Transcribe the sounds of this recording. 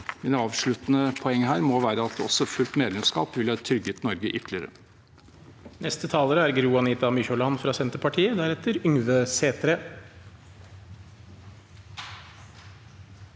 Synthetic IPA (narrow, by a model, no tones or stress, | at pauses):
mɪnɑːʋʂɭʉt̪nəpʰɔɛŋːɦæːɾmɔʋæːɾəɑt̪̚ɔ̰sɔfʉlt̪meːd̪lɛmskɑ̰ːpʋɪlhɑːt̪ʰɾʏɡːət̪nɔɾɡəʔʏt̪ʰlɪəɾə̰ | nɛst̪ət̪ʰɑːləɾəæɾɡɾuːɑniːt̪ɑmʏçɔlɑnfɾɑsɛnt̪əpɑʈʰiːəd̪æɾɛt̪əɾʏŋʋəseːt̪ɾə